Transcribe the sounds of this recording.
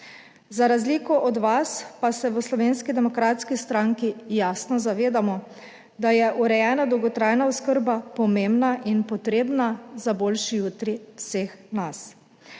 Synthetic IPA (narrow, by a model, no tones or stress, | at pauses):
zaɾazliːkɔʔɔd̪ʋaspasɛʋəslɔʋeːnskid̪ɛmɔkɾaːt̪skist̪ɾaŋkijaːsnɔzaʋeːd̪amɔ | d̪ajɛʔuɾɛjɛːnad̪ɔwɡɔt̪ɾaːjnauskəɾbapɔmembnaʔinpɔt̪ɾeːbnazabolʃijut̪ɾiwseːxnas